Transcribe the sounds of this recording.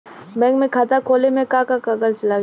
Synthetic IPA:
bɛ̃ːŋɡmẽkʰaːt̪akʰoːlemẽkakakaɡəlt͡ʃlaː

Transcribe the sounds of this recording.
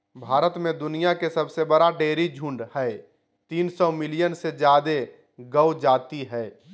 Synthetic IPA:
bʱaːɾət̪mẽd̪ʊnijakesəbsebəɾaɖeːɾid͡ʒʱũːɳɖhɛː | t̪iːnsɔːmɪlijənsed͡ʒjaːd̪e | ɡəwd͡ʒaːt̪iɦɛː

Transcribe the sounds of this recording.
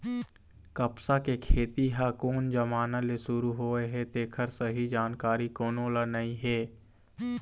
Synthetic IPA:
kəpsakekʰeːt̪iɦaːkoːnd͡ʒəmaːnalesʊɾuɦoːeɦɛt̪eːkʰəɾsəɦid͡ʒaːnkaːɾikoːnõlənaĩɦɛː

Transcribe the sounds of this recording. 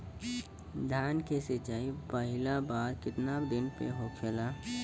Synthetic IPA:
d̪ʱjaːnkesɪt͡ʃaːipəɦɪlabaːɾkɪt̪nabd̪ɪnpḛɦokʰela

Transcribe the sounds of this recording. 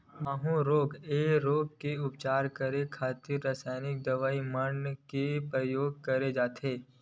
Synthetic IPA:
maːɦũɾoːɡeːɾoːɡ̚keʊpt͡ʃaːɾkəɾekʰaːt̪ɪɾːasaːɪnɪk̚d̪ɐʋaːimənkepɾəjoːɡ̚kɐɾed͡ʒaːt̪ʰeː

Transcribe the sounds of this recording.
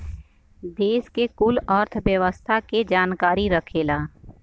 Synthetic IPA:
d̪eːskekʊlɔːɾt̪ʰʋjəʋəst̪ʰaked͡ʒaːnkaːɾiɾəkʰeːlaː

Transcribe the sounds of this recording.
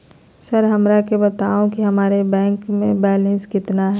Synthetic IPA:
səɾɦɐmɾakebɐt̪aːõkiɦɐmaːɾebɛ̃ːŋkmẽbɛːlə̃nskɪt̪naɦɛ

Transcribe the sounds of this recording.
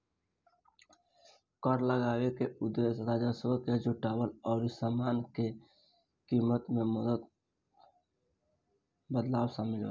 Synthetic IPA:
kəɾləɡaːwekeʊd̪ːesɾaːd͡ʒasəbked͡ʒuʈaːwəlɔːɾisaːmaːnke | kimət̪mẽməd̪ət̪ | bəd̪laːwsãmɪlʋa̰

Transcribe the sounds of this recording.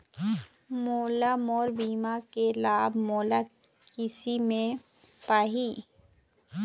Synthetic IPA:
moːlamɔːɾbiːmakelaːbmoːla | kɪsimẽ | paːɦi

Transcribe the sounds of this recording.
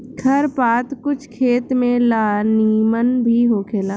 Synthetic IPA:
kʰɐɾpaːt̪kʊt͡ʃʰkʰeːt̪mẽlaːniːmənbʱiɦoːkʰeːlaː

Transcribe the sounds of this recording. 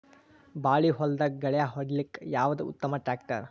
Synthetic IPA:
baːɭiɦɔld̪ɐɡɐɭɛjaɦɔɖlikːjaːʋɐd̪uṵt̪ːɐmɐʈɾaːk̚ʈɐ̰ɾ

